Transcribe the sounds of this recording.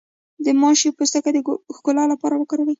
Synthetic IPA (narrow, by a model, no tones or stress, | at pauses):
d̪əmɑʃipost̪akad̪əxkʊlɑlapɑɾawəkɑɾawəj